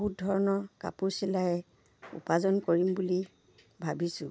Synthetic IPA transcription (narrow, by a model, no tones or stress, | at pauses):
ɦut̚dʱɔɹɔnɔka̰puɹsilajɛ | ṵpazɔnkoɹimbuli | bʱabisʊ̃